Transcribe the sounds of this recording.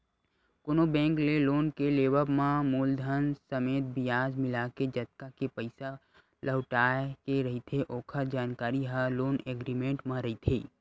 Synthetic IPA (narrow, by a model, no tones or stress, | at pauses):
konobɛ̃ːŋkleloːnkeleːʋəmãmuːld̪ʱənsəmeːt̪̚bɪjaːd͡ʒmɪlaːked͡ʒɐt̪kakepəɪsa | ləʋʈaːkeɾɐɦit̪ʰeʔoːkʰəd͡ʒaːnkaːɾiɦaloːneːɡɾimẽɳʈmãɾɐɦit̪ʰiː